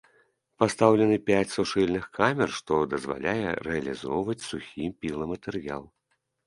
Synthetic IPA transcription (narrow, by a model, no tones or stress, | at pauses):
past̪awlʲɛnɨpʲat͡sʲsuʂɨlʲnɨxkamʲɛrʂt̪ɔd̪ɐzva̰lʲajɛ̰ɾrɛɐlʲizɔwvɐt͡sʲsuxʲimpʲilˠɐmɐt̪ɛrja̰lˠ